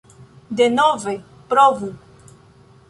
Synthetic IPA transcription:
d̪enɔve | pɾɔvu

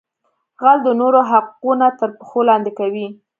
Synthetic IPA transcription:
ɣald̪ənoɾoɦaqunat̪əɾpəxolɑnd̪ekawi

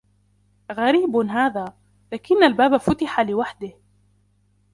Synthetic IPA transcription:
ɣaɾiːbɦaːðaː | laːkɪnːalbaːbafʊt̪ɪħalɪwaħd̪ɪh

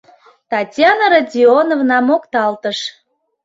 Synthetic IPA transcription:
t̪ɑtʲjɑnəɾɑdʲionovnɑmokt̪ɑlt̪əʃ

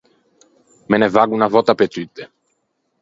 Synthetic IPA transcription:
mɛnɛvaɡunavɔt̪apɛt̪it̪ːɛ

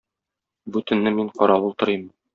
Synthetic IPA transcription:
bʉt̪ɘ̆nːɘmiɴqɒɾɑwulˠt̪ɤ̆ɾɤm

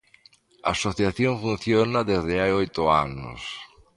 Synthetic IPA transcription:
a̰ːsoθjaθjoɱfunθjonaðezðɪajojt̪ʊano̰s

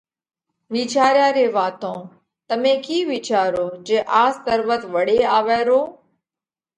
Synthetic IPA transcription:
ʋiːt͡ʃaːɾjaːɾeːʋaːt̪õː | t̪əmẽːkiːʋiːt͡ʃaːɾoːd͡ʒeːʔaːst̪əɾʋət̪ʋəɽeːaːʋɛːɾoː

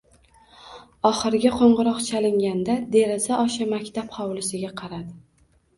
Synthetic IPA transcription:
ɒχɨɾɡʲaqʰoɴʁɨɾɒqt͡ʃʰalɪŋɡʲand̪ad̪e̞ɾzaʔɒʃamakʲt̪ʰapχɑwlɪsɪɡʲaqʰɑɾad̪ɪ

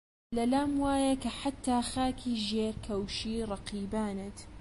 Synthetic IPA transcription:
lɐlaːmwaːjɐkɐħat̪ːaːxaːkʰiːʒeːɾkʰɐwʃiːrˤɑqiːbaːnet̪

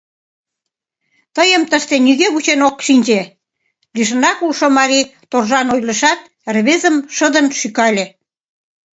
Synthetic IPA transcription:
t̪əjəmt̪əʃt̪enyɣeβut͡ɕenokʃinʲd͡ʑe | liʃ̬ə̆nɑkulʃomɑɾit̪orʒɑnojlə̆ʃɑt̪̚ | erβezəmʃəd̪ənʃykɑlʲe

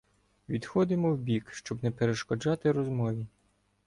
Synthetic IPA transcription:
ʋʲid̪xɔd̪ɪmɔwbʲikʃt͡ʃɔbnɛpeɾeʃkɔd͡ʒɑt̪ɪɾɔzmɔʋʲi

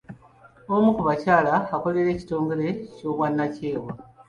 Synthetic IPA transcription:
o̞mukuβacaːlaːko̞leɾe̞ːci̥to̞ːŋɡe̞ɾe̞co̞ːβwanːace̞ːwe

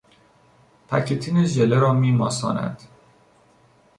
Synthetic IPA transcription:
pʰæ̰cʰet̪ʰiːneʒeleɾɒːmiːmɒːsɒ̰ːnæ̰d̪̥

